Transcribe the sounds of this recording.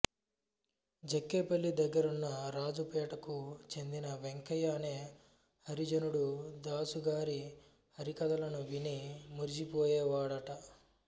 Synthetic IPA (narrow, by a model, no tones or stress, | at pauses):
d͡ʒekːeːpɐlːid̪ɐɡːɐɾunːɐɾaːd͡ʒupɛːʈɐkut͡ʃe̞nd̪inɐʋeŋkɐjaːneː | hɐɾid͡ʒɐnuɽud̪aːsuɡaːɾi | hɐɾikɐd̪ɐlɐnuʋinimuɾid͡ʒipoːjeːʋaːɽɐʈɐ